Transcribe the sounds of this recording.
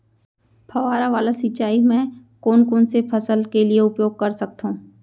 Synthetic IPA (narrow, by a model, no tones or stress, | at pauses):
pʰɐʋaːɾaʋaːlasɪt͡ʃaːimɛ̃koːnkoːnsepʰɐsəlkelieʊpjoːɡ̚kɐɾsɐk̚t̪ũː